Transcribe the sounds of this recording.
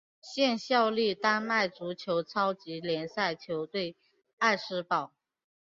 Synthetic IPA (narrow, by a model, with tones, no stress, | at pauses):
ɕjɛ˥˧nɕjɑ˥˧ʊli˥˩t̪a˥nma˥˩ɪt͡su˧˥t͡ɕʰjo˧˥ʊt͡sʰɑ˥ʊt͡ɕi˧˥ljɛ˧˥nsa˥˩ɪt͡ɕʰjo˧˥ʊt̪we˥˧ɪ | a˥˧ɪʂɻ̩˥pɑ˨˩˦ʊ